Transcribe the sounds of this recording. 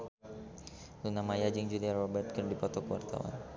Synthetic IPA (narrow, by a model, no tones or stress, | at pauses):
lunamajad͡ʒɪŋd͡ʒuliarɔbɛrt̪̚kərnadipɔt̪ɔkəwart̪a̰wa̰n